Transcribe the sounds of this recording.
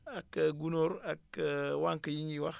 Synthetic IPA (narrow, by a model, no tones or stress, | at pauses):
akːaɡunoɾakwaŋkɐjiŋiwax